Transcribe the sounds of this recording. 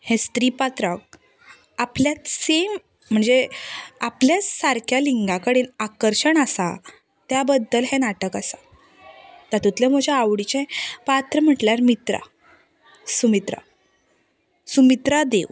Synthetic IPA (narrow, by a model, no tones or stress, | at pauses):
hɛ̃st̪ɾipat̪ɾək̚ | apljat̪sem̤ː | əɳd͡zeapljasaɾkʰjaliŋɡakəɽeːnakəɾɕəɳasa̰ | t̪jabəd̪ːəlɦɛ̃naʈəkasa | t̪at̪ut̪lẽm̤əd͡ʑeaʋɽit͡ɕẽpat̪ɾəm̤əʈljaɾmit̪ɾa̰ | sumit̪ɾa̰ | sumit̪ɾad̪eʋ